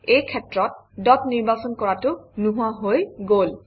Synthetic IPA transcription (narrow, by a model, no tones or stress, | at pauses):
ejkʰetːɹɔt̚dɔtniɹbasɔnkɔɹatʊnuɦuaɦojɡol